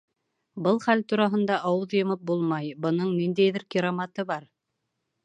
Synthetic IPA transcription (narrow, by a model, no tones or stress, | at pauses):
bɤlˠχælt̪uɾɑɦɤ̆nd̪ɑʔɑwɤðjɤ̆mɤp̚bulˠmɑjbɤ̆nɤɴnind̪æjðɘɾkʲiɾomɑt̪ɤbɑɾ